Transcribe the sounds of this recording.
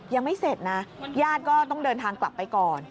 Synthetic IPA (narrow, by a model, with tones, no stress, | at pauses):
ja˧ŋma˥˩jse˨˩t̪̚na˦˥jaː˥˩t̪̚kɔː˥˩t̪ɔ˥˩ŋdɤː˧nt̪ʰaː˧ŋkla˨˩pːa˧jkɔː˨˩n